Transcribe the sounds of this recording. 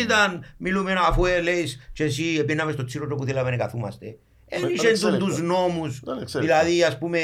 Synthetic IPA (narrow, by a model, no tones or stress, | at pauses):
it̪anmilumenafwelejst͡ʃes̬iebenːamest̪osilodopuθilaβenekaθuma̰st̪e | eniʃent̪unt̪uznomusðilaðiaspume